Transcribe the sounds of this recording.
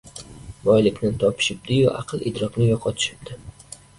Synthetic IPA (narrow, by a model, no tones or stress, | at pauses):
bɒjlɪkʲnɪt̪ʰɒpʰɪ̥ʃɪp̚d̪ɪjʊʔɑqʰɨlˠɪ̰d̪ɾɒknɪjɒqʰɒt̪ʰɪ̥ʃɪ̥b̚d̪̥ɪ